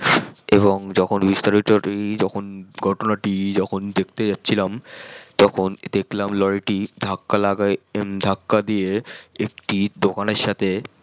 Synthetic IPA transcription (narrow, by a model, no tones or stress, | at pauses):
eβoŋd͡ʑɔkʰonbist̪aɾiʈoɾid͡ʑɔkʰonɡʱɔʈonaʈid͡ʑɔkʰond̪ek̚ʰt̪ed͡ʑatːɕʰilamt̪ɔkʰond̪ekʰlamlɔɾiʈid̪ʱakːalaɡad̪ʱakːad̪ijeekʈid̪okaneɾʃat̪ʰe